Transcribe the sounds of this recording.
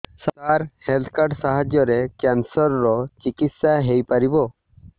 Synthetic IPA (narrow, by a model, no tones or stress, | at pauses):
sat̪aɾhelt̪ʰkaɾɖsaɦad͡ʒjɔɾekansɔɾːɔt͡ʃikit̪saɦejpaɾibɔ